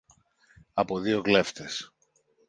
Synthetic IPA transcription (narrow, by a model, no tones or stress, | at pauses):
ɐpo̞ðio̞kle̞ft̪e̞s